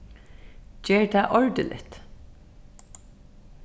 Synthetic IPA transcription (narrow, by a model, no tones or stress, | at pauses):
d͡ʒeːɹt̪ʰæːʔɔɹd̪ɪlɪ̰t̪